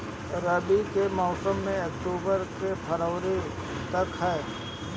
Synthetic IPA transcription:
ɾɐbikemɔːsəmːẽɐkʈuːbəɾkepʰɐɾəːɾe | t̪ɐkɦɛː

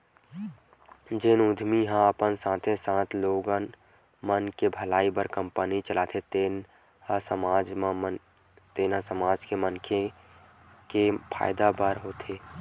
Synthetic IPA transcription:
d͡ʒenʊ̃d̪ʱmiɦãəpənsãːt̪ʰẽsãːt̪ʰloːɡn | mənkebʱəlaːibəɾkə̃mpənit͡ʃəlaːt̪ʰet̪e | səmaːd͡ʒ | t̪eːnə̃səmaːd͡ʒkemənkʰe | kepʰa̰ːɪd̪abəɾɦoːt̪ʰeː

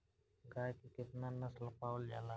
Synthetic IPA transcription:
ɡaːjkikɪt̪nanəslpaːld͡ʒa̰ːlaː

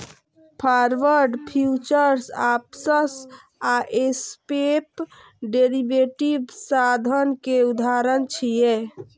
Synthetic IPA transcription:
pʰaɾʋəɾɖpʰjut͡ʃəɾsapsəs | aʔespep | ɖeɾibeʈibsad̪ʱənkeud̪aɾənt͡ʃʰije

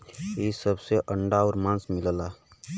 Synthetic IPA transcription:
isəbseʔəɳɖaɔɾmãːnsmɪləlaː

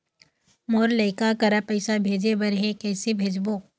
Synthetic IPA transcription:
moːɾlɐɪkakɐɾapɐɪsabʱeːd͡ʒebɐɾɦẽkɛːsebʱeːd͡ʒboː

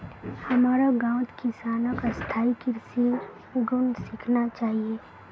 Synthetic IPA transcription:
hɐmaːɾaɡãːʊ̃t̪kɪsaːnəkast̪ʰaːikɪɾse | ʊɡənsɪkʰnat͡ʃaːɦieː

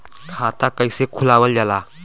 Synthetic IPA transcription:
kʰat̪akəjsekʰulaʋəld͡ʑala

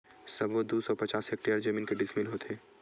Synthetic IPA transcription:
sɐbʋod̪uːsɔpɐt͡ʃaːsek̚ʈijəɾd͡ʒɐmiːnkeɖɪsmɪlɦoːt̪eː

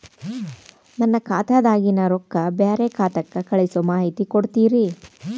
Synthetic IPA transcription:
nɐnːɐkʰaːt̪ʰɐd̪aːɡinɐɾɔkːɐbeːɾekʰaːt̪ɐkːɐkɐɭesomaːɦit̪ikoɽt̪iːɾi

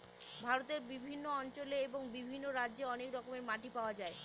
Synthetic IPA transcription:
bʱaɾot̪eɾbibʱinːoɔnt͡ɕoleeboŋbibʱinːoɾadːʑeɔnekɾɔkomeɾmaʈipaoad͡ʑae

